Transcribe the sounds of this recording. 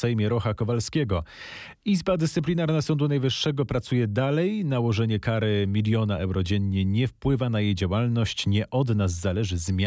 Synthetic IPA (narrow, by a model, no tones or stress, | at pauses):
ɛjmʲjɛɾɔxakɔvalskʲɛɡɔ | izbad̪ɘst̪sɘplʲinaɾnasɔnd̪unajvɘʂːɛɡɔpɾat̪sujɛd̪alɛjnawɔʐɛɲɛkaɾɘmʲilʲjɔnaʔɛwɾɔd͡ʑɛɲːɛɲɛfpwɘvanajejd͡ʑawalnɔɕt͡ɕɲɛʔɔd̪naz̬ːalɛʐɘzmʲa